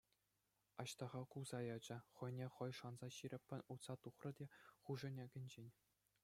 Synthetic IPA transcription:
ɑɕt̪ɑʁɑkulzɑjɑd͡ʑɘ̆χɤ̆jnʲeχɤ̆jʂɑnzɑɕiɾʲɘ̆pʲːɘ̆nʲut̪sɑt̪uχrɤ̆dʲeχuʐɘ̆nʲeɡʲɘ̆nʲd͡ʑenʲ

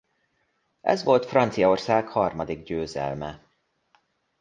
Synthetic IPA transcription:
ʔɛ̰zʋo̞lt̪frɒnt̪sijɒorsaːkhɒrmɒd̪iɡɟøːzɛ̰lmɛ

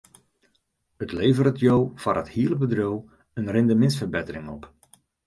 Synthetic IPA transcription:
ətleːvərɾətjowfarəthiːələbədrow | ənrɪndəmɪnstfərbetərɪŋɔp

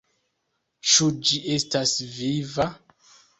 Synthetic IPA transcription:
t͡ʃud͡ʒie̞stasviva

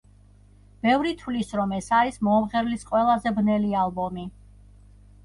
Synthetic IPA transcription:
b̥ɛvɾit̪ʰwlisɾɔmɛsaɾismɔːmʁɛɾlisqʼwɛlˠazɛbnɛlialˠbɔmi

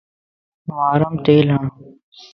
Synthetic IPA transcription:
ʋaːɾɐmt̪eːlɦã

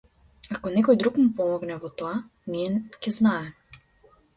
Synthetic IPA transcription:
akɔnɛkɔjd̪ɾukmupɔmɔɡnɛvɔt̪ɔa | niɛcɛznaɛ

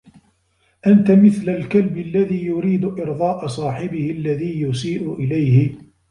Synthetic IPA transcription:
ʔant̪amɪθlalkalbɪlːaðiːjʊɾiːd̪ʊʔɪɾðˤɑːʔɑsˤɑːħɪbɪhɪlːaðiːjʊsiːʔʊʔɪlajhɪ

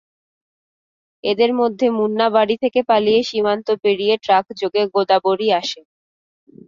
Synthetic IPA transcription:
ed̪eɾmod̪ʱːemunːabaɽit̪ʰekepalijeʃimant̪opeɽijeʈɾakd͡ʑoɡeɡod̪aboɽiaʃe

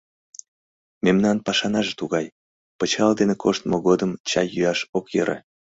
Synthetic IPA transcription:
memnɑnpɑʃɑnɑʒet̪uɣɑj | pət͡ɕɑld̪enekʰoʃt̪moɣod̪əmt͡ɕɑjyɑʃokjḛɾʔḛ

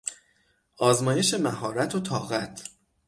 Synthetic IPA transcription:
ʔɒːzmɒːje̞ʃe̞mæɦɒːɾæt̪ʰot̪ʰɒːɣæt̪ʰ

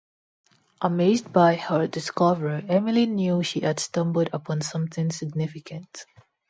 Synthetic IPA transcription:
ʔəmesdbaɪhədɪskɔvəɹiɛmilinjuʃiæd̥stʌ̃mbəlˠdəpʰɔ̃nsʌ̃mθɪ̃ŋsɪɡ̚nɪfɪkʰə̃nt

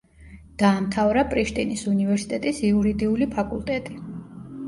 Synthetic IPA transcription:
d̪̥aːmt̪ʰavɾapʼɾiʃt̪ʼinisunivɛɾsi̥t̪ʼɛt̪ʼisiuɾid̪iulipʰakʼṵlˠt̪ʼɛt̪ʼi

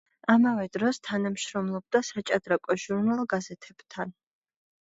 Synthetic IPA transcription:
amavɛd̪ɾɔst̪ʰanamʃɾɔmlˠɔb̚d̪asat͡ʃʼad̪ɾakʷʼɔʒuɾnalˠɡazɛt̪ʰɛb̥t̪ʰan

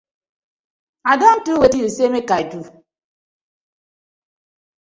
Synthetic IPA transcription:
adɔn̩tuwetin̩semekaedu

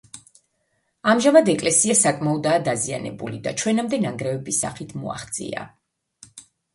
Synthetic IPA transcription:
amʒamad̪ɛkʼlɛsiasakʼmaɔd̪aːd̪azia̰nɛ̰bṵlid̪at͡ʃʰwɛnamd̪ɛnaŋɡɾɛvɛbisa̰χit̪ʰmɔ̰a̰χt̪sʼḭa̰

